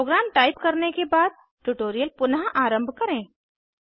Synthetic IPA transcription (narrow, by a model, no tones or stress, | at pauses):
oːɡɾaːmʈaːɪpkɐɾnekebaːd̪̚ | ʈuʈoːɾijəlpʊnɦãʔaːɾə̃mbʱkɐɾẽː